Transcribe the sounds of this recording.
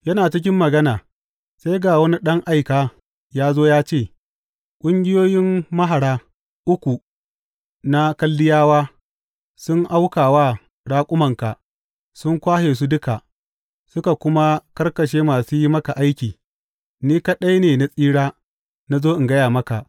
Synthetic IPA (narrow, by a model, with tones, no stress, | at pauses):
jɐ˦naː˨t͡ʃɪ˦kʲɪ˦mːɐ˨ɡɐ˦naː˨ | sa˦jɡa˨wɐ˦ni˦ɗɐ˦ŋʔa˦jkaː˨ | jaː˦zoː˦jaː˦t͡ʃeː˦˨ | kʷʼʊ˦ŋɡʲɪ˦joː˦jɪ˦mːɐ˦ɦa˨ɽaː˦ | ʔʊ˦kʷu˨ | na˦kɐ˦lːɪ˦jaː˦waː˦ | sʊ˦ŋʔa˦wkaː˨waː˦ | ɽaː˦kʷʼʊ˦mɐ˨ŋka˨ʔ | sʊ˦ŋkʷaː˦heː˨s̬u˦dʊ˦ka˨ʔ | sʊ˦ka˨kʷʊ˦ma˦kɐ˦rkɐ˨ʃeː˦maː˨suː˦ji˦mɐ˦ka˨ʔa˦jkʲiː˨ | niː˦ka˦ɗɐ˦jneː˨na˨sʼiː˦ɽaː˦ | na˦zoː˦ʔɪ˨ŋɡɐ˦jaː˨mɐ˦ka˨ʔ